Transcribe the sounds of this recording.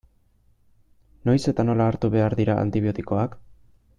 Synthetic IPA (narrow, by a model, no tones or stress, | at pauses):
no̞jse̞t̪ano̞laːɾt̪uβe̞aɾðiɾaʔa̰nt̪iβio̞t̪iko̞ak